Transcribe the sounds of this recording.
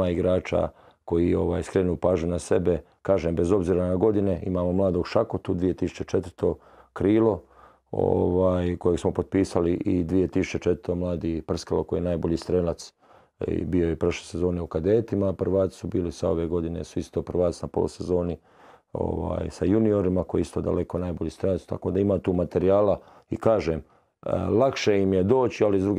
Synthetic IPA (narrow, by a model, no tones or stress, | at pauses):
aːiɡɾaːt͡ʃa̰ | ko̞jio̞ʋaːjskɾenuupaːʒɲunase̞be | kaːʒembezo̞bziːɾanaɡo̞d̪ineimaːmomlˠaːd̪oɡʃakot̪ud̪ʋije̞t̪isu̥t͡ʃet͡ʃet̪əɾt̪ʰo̞ | kɾiːlo̞ | o̰ʋaːjkojeɡsmopod̪̚piːsaliʔid̪ʋijet̪isut͡ʃet͡ʃet̪ɾt̪omlˠaːd̪iːpr̩skalokoj̰ienaːjboʎiːst̪ɾeːlat̪s | biojepɾoʃlesezo̞ːneukad̪eːt̪imapr̩ʋaːt̪i̥subiːlisao̞̰ʋeːɡo̞d̪ine̞̰suist̪oːpr̩ʋaːt̪snapo̞̰lṵsezo̞ːni | o̰ʋa̰ːjsajunio̞ɾimakojist̪o̞ːd̪a̰le̞konaːjboʎiːst̪ɾeːlatst̪a̰ko̞ːd̪aimaːt̪uːmat̪eɾijaːla | ḭkaːʒeːm | lˠakʃeimjed̪o̞ːt͡ɕializd̪ɾuɡ